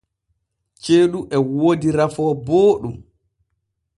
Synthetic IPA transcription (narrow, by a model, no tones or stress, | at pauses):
t͡ʃeːɗuʔɛwodiɾafɔːboːɗum